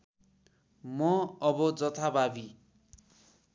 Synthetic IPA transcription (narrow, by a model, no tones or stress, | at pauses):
mʌʌbʌd͡zʌt̪ʰababi